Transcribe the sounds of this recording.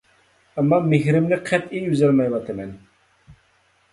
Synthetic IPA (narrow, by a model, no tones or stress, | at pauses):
ɛmːɑmehɾɪmlɪk̚ʲqʰɛt̪ijyzɛlmɑjwɑt̪ʰɨmɛn